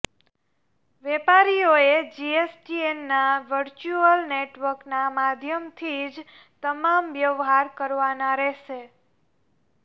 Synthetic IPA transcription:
ʋepaɾioed͡ʒiesʈienːaʋəɾt͡ʃuəlneʈʋəɾknamad̪ʱjəmt̪ʰid͡ʒ | t̪əmamʋjəʋɦaɾkəɾʋanaɾɛɦʃe

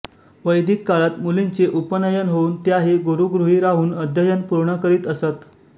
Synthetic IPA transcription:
ʋəjd̪ʱikːaɭat̪mulint͡seʔupənəjənɦouːnt̪jaɦeɡoɾuɡɾuɦiːɾaɦuːnəd̪ʱjəjənpuɾɳəkəɾiːt̪əsət̪

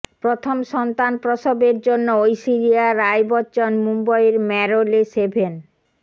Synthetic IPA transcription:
pɾot̪ʰomʃɔnt̪anpɾoʃobeɾd͡ʑonːoojsiɾiaɾajbɔtːɕonmumbaeɾmɛɾolesebʱen

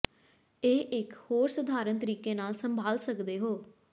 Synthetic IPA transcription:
eːʔɪkhoːɾsəd̪ʱaːɾənt̪əɾiːkeːnaːlsəmbʱaːlsəkd̪eːɦoː

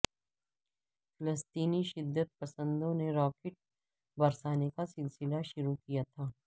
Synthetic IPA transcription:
fɪləst̪iːniʃɪd̪ʱːət̪̚pɐsə̃nd̪õneɾɔːkɪʈ̚ | bɐɾsaːnekasɪlsɪlaʃʊɾukijat̪ʰaː

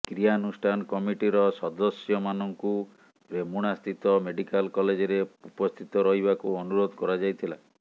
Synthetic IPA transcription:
kɾijanusʈʰankɔmiʈiɾɔsɔd̪ɔsjɔmanɔŋku | ɾemuɽ̃ast̪ʰit̪ɔmeɖikalkɔled͡ʒɔɾeupɔst̪ʰit̪ɔɾɔɦibakuɔnuɾod̪ʱkɔɾad͡ʒajt̪ʰila

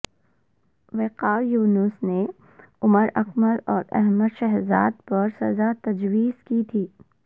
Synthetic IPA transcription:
ʋeːqaːjuːnʊsne | ʊməɾɐ̰kməɾɔːɾɛ̰ɦməd̪ʃɛɦzaːd̪̚pɐɾsɐzat̪ɐd͡ʒwiːzkit̪ʰiː

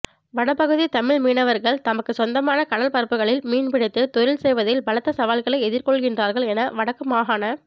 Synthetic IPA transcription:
ʋɐɽɐpːɐɣɯðit̪ɐmɪɭmiːnɐʋɐɾɣɐɭt̪ɐmɐkːɯsɔnd̪ɐmaːnɐkɐɽɐlpɐɾpːɯɣɐɭɪlmiːnpɪɽɪt̪ːɯt̪ɔɾɪlsɛjʋɐðɪlbɐɭɐt̪ːɐsɐʋaːlɣɐɭɐɪɛðɪɾkɔɭɣɪndraːɾɣɐɭɛnɐʋɐɽɐkːɯmaːɣaːnɐ

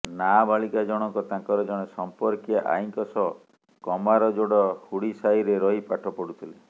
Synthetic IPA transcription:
nabaɭikad͡ʒɔɽ̃ɔŋkɔt̪ãŋkɔɾɔd͡ʒɔɽ̃esɔmpɔɾkjaʔa̰iŋkɔsɔ | kɔmaɾɔd͡ʒoɽɔhuɽisajɾeɾɔipaʈʰɔpɔɽut̪ʰile

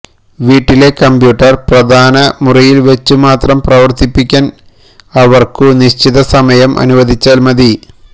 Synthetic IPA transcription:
ʋiːʈːile̞kɐmbjuːʈːɐrprɐd̪ʱaːnɐmurɐjilʋɐt͡ɕːumaːt̪rɐmprɐʋɐrt̪ipːikʲːaːn | ɐʋɐrkɨniɕt͡ɕiðɐsɐmɐjɐmʔɐ̰nuʋɐd̪ʱit͡ɕːaːlmɐði

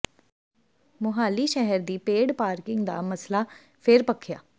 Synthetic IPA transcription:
mʊɦaːliːʃɛɦəɾd̪iːpeːɽpaːɾkɪŋɡd̪a̰ːməslaː | pʰɪɾpəkʰːjaː

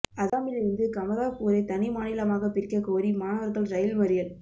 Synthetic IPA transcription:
ɐðaːmɪlɪɾɯnd̪ɯkɐmɐɾaːkuːɾɐɪt̪ɐnɪmaːnɪlɐmaːɣɐpɪrkːɐkoːɾimaːnɐʋɐɾɣɐlɾɐjɪlmɐɾɪjɐl

